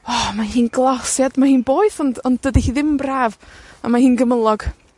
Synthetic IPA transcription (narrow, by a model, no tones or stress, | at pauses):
ɔmahiːnɡlˠasjad̥mahiːnboːɨθɔndɔndədihiːðɪmbraːva̰mahiːnɡəməlˠɔɡ̥